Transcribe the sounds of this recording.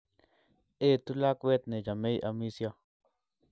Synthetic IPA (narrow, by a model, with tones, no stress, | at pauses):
e˦t̪u˦la˦kʷe˦t̪ne˨d͡ʒa˨me˦jʔa˧mi˦sja˦